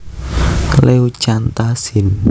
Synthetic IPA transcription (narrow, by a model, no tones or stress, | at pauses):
leu̥ʒ̥ant̪asin